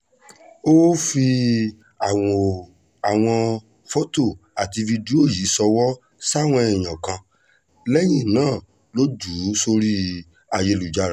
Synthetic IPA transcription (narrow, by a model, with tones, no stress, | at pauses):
o˦fi˧ | a˨ɔ˧ | a˨w̃ɔ̃˧ | fo˦to˦˨ | a˨ti˧vi˧di˦o˦˨ji˨˦sɔ˧wɔ˦ | sa˦˨w̃ɔ̃˧ɛ˨j̃ã˨kã˧ | lɛ˦j̃ĩ˦˨nãː˦˨ | lo˦d͡ʒu˨˦so˧ɾi˦ | a˨je˧lu˨d͡ʒa˧˨ɾa˨